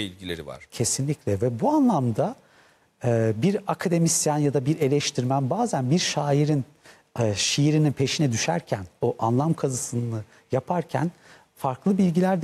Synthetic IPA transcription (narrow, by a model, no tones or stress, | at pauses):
ilʲɟilʲeɾiva̰ɾcʰe̞sinlʲicʰʲlʲɛvɛbuanlˠamd̪aː | biɾakʰad̪e̞misjanjad̪abiɾe̞lʲɛʃt̪ʰiɾmænbaːzænbiɾʃaːiɾinː | ʃijiɾininpʰe̞ʃinɛd̪yʃæɾcʰænoʔanlˠamkʰazɯsɯnɯ | japʰaɾcʰæ̰n | faɾklˠɯbilʲɟilʲæɾd̪